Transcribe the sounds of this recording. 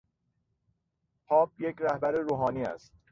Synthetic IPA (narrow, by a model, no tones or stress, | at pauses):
pʰɒːb̚jekɾæhbæɾeɾuːɦɒːniːæ̰st̪